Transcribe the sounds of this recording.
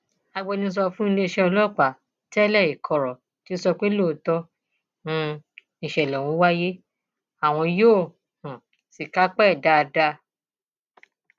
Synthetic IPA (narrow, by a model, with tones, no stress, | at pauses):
a˧ɡ͡bɔ˧nĩ˧˦s̬ɔ˧fũ˦n̩˦le˦˧ʃɛ˦ɔ˧lɔ˦˨k͡pa˨ | tɛ˦lɛ˦˨i˨kʰɔ˨ɾɔ˨ | ti˨˦sɔ˧k͡pe˦lo˦˨tɔ˧ | nũ˦˧ | ĩ˨ʃɛ˨lɛ˨w̃ũ˨˦wa˦je˦ | a˨w̃ɔ̃˧joː˦˨ | hũ˨ | si˨ka˨˦k͡pɛ˦˨da˧da˧